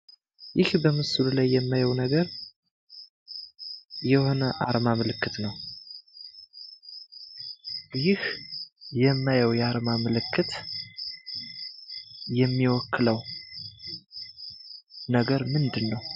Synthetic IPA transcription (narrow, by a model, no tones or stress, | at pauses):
jɪhbəmɨsululajːɛmːajəwnəɡəɾ | jɛho̞nəʔaɾmamɨlɨkːɨt̪nəw | jɪh | jɛmːajəwjɛaɾmamɨlɨkʰːɨt̪ | jɛmːiwɔkʰːɨləw | nəɡəɾmɨnd̪ɨnːəw